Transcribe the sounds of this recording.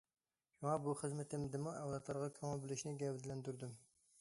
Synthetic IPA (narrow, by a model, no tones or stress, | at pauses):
ʃuŋɑbuχəzmɪt̪ʰɪmd̪ɪmuʔɛwlˠɑt̪lˠɑɾʁɑkʲʰɑmɑlˠbɪlˠɪʃnɪɡʲɛwd̪ɪlɛnd̪yɾd̪ym